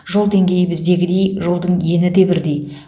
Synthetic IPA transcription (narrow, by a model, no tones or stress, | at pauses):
ʒo̞lˠd̪e̞ŋɡʲe̞jɪbɪzd̪e̞ɡʲɪd̪e̞jʒo̞lˠd̪əɴje̞nɪd̪e̞bɪɾd̪e̞j